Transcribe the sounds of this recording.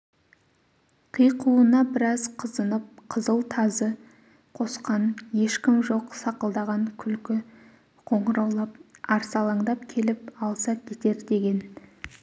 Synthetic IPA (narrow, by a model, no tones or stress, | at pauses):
qʰijqʰuənɑbɪɾɑzqʰəzənəp̚qʰəzəlˠt̪ʰɑzə | qʰo̞sqɑnje̞ʃkʲɪmʒo̞qsɑqəlˠd̪ɑʁɑŋkʲʰʏlkʲɪ | qʰo̞ɴəɾɑwlˠɑp̚ɑɾsɑlˠɑɴd̪ɑp̚kʲʰe̞lɪpɑlˠsɑkʲʰe̞t̪e̞ɾd̪e̞ɡʲe̞n